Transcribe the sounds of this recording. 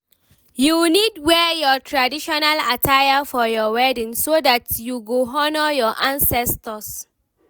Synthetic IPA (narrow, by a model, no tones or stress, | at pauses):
junidwɛjɔtʰɹadiʃɔnalatʰajafɔjɔwɛdĩnsodatjuɡoɦɔnəjɔʔãnsɛstəs